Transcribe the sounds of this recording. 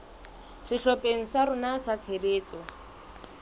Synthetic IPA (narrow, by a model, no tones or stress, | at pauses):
sɪɬɔpʼeŋ̩saɾʊnasat͡sʰereːt͡sʼɔ